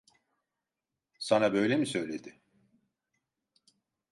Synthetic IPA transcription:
sanabø̞jlʲemisø̞jlʲed̪ɪ

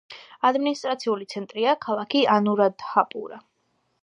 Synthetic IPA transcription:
ad̪minist̪ʼɾat̪sʰiulit̪sʰɛnt̪ʼɾiakʰalˠakʰianuɾad̪hapʼṵɾa

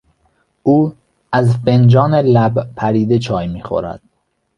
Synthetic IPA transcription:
uː | æzfend͡ʒɒːnelæbpʰæɾiːd̪et͡ʃʰɒːjmiːxo̰ɾæ̰d̪̥̚

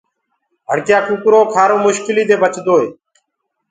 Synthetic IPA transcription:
ɦəɽkjaːkukɾoːkʰaːɾoːmʊʃkɪliːd̪eːbət͡ʃd̪oːɦeː

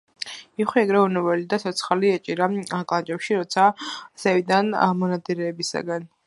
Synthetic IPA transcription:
iχwiɛɡɾɛunɛvɛlid̪asʰɔt̪sʰχaliɛt͡ʃʼiɾaakʼlˠant͡ʃʼɛpʃiɾɔt̪sʰasɛvid̪anamɔnad̪iɾɛːbisa̰ɡan

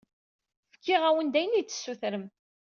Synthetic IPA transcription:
fə̥kːɪʁæwənd̪æjənit͡sːə̥sːuθɾəm

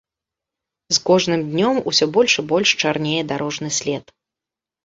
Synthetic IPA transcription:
zkɔʐnɨmd̪ʲnʲɔmṵsʲɔbɔlʲʂɨbɔlʲʂt͡ʂarnʲejɛd̪aɾɔʐnɨsʲlʲɛt̪

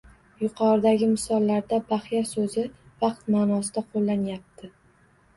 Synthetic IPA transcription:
jʊqʰɒɾɪd̪aɡʲɪmɪsɒlˠːaɾd̪abaχjasɵzɪ | vɑqt̪maːnɒsɪd̪aqʰolːanjap̚t̪ʰɪ

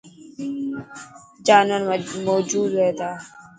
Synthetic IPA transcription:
d͡ʒaːnwanmoːd͡ʒuːd̪weːt̪aː

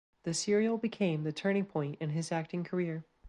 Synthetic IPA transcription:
ðɨsɪɹil̩ˠbɨkʰẽɪ̃mðɨtʰɜ̃˞nɪ̃ŋpʰɔ̃ɪ̃ntɨ̃nɨzæk̚tɪ̃ŋkʰə˞ɪɹ

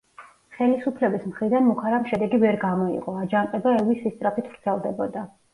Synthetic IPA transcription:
χɛlisupʰlɛbismχɾid̪anmukʰaɾamʃɛd̪ɛɡivɛɾɡamɔḭqʼɔad͡ʒaŋqʼɛbaɛwisːist̪ʼɾapit̪ʰvɾt̪sʰɛlˠd̪ɛbɔd̪a

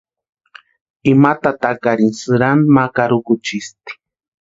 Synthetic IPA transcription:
imat̪at̪akaɾinsɨɾanmakaɾʊkʊt͡ʃist̪i̥

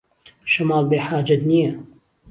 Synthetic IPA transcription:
ʃɐmaːlbeːħaːd͡ʒɐt̪nija

